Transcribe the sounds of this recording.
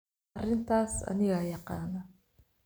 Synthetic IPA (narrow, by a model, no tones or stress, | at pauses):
ɾɪnt̪asa̰niɣajaqaːnːa